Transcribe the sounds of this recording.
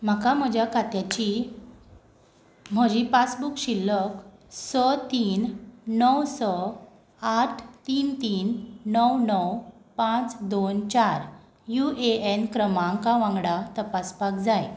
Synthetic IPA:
m̤akam̤əd͡ʑʱjakʰat̪jat͡ɕi | m̤əd͡ʑipasbukɕilːək | sət̪iːnːəwsə | aʈʰt̪iːnt̪iːnːəwnəwpãt͡sd̪ont͡ɕaɾ | jueenkɾəmãŋkaʋãŋɡɽat̪əpaspakd͡zaj

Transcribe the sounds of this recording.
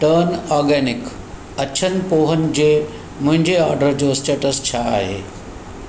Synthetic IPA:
ʈəɾnɔːɾɡɛːnɪk | ɐt͡ɕʰənɪ̆poːɦənɪ̆d͡ʑeː | mʊ̃ɦɪ̃ɲd͡ʑeɔːɾɖəɾd͡ʑosʈeːʈəst͡ɕʰaaːɦḛː

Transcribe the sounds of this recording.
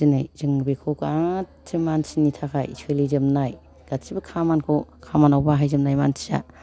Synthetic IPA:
inajz̥ɯŋbekʰokatʰimansinitʰakʰa̰jisɯjlizɯmnaj | ɡ̥atsʰibɐkʰamankʰokʰamanawbaɦajzɯmnajmansʰiza̰

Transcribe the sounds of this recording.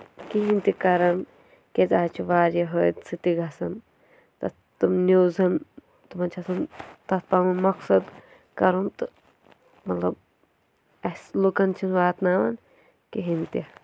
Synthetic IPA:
kiɦint̪ikɐɾɐn | kezaːt͡ʃʰiʋaːɾɐɦot̪sɨt̪iɡɐsɐn | t̪ɐ | t̪ɨmnʲuːzɐn | t̪umɐnt͡ʃʰɐsɐnt̪ɐt̪̚pamumɐksɐd̪ | kɐɾunt̪ɨ | mɐt̪lɐb | ɐslukɐnt͡ʃʰinʋaːt̪naːʋɐn | kiɦint̪i

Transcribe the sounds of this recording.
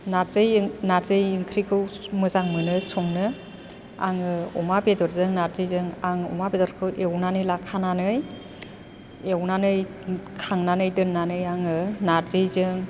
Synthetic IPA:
naɾzɯjnaɾzɯjɯŋkʰɾikʰɯwmɯzaŋmɯnɯsɔŋnɯ | a̰ŋɯɔmabedɔɾzɯŋnaɾzɯjzɯŋaŋɔ̰mabedɔɾkʰɯwʔewnanɯjlakʰananɯj | ewnanɯj | kʰaŋnanɯjdɯnːanɯjaŋɯnaɾzɯjzɯŋ

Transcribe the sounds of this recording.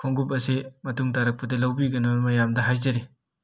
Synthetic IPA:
kʰoŋɡup̬ɐsimɐtuŋtaɾɐk̚pɐdɐlɐwbiɡɐnomɐjamdɐɦajzɐɾi

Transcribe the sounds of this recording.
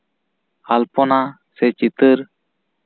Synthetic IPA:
halpɔna | sɛt͡ʃit̪əɾ

